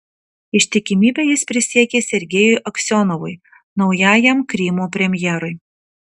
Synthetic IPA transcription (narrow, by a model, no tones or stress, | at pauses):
ɪʃʲt̪ʲɪkʲɪmʲiːbʲeːjɪspʲɾʲɪsʲiɛkʲeːsʲɛɾʲɡʲɛjʊɪʔɐksʲɔnɔʋʊɪ | nɒʊjæːjɛmkɾʲimoːpʲɾʲɛmʲjɛɾʊɪ